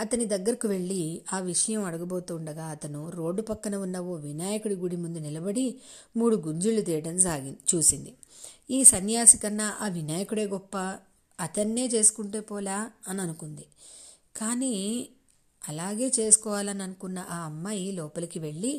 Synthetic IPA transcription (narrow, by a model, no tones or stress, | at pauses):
ɐt̪ɐnid̪ɐɡːɐɾikiʋe̞ɭːiaːʋiʂɐjɐmɐɽɐɡɐboːt̪uːɳɖɐɡaːɐt̪ɐnuɾo̞ːɖːupɐkːɐnɐunːɐo̞ːʋinaːjɐkuɽiɡuɽimund̪unilɐbɐɽimuːɽuɡuɲd͡ʒulːut̪ijɐʈɐmsaːɡit͡ʃuːsind̪iiːsɐnjaːsikɐnːaʔaːʋinaːjɐkuɽe̞ːɡɔpːɐː | t̪ɐnːe̞ːt͡ʃe̞ːsu̥kuɳʈeːpɔːlaːɐnɐnukund̪i | kaːni | ɐlaːɡe̞ːt͡ʃe̞ːsu̥kɔːʋaːlɐnɐnukunːɐʔaːɐmːaːjilɔːpɐlɐkiʋe̞ɭːi